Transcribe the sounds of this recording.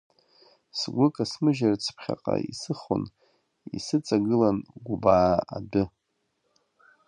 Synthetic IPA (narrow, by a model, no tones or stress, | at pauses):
sɡʷʊkʼasmɨʒart͡sʰpʰχʲa̰qʼaisɨχo̰n | isɨt͡sʼaɡɨlanɡʷubaːadʊ